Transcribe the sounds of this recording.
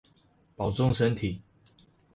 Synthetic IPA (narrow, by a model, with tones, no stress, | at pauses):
pɑ˨˩ʊt͡sʊ˥˧ŋʂə˦nt̪ʰi˨˩˦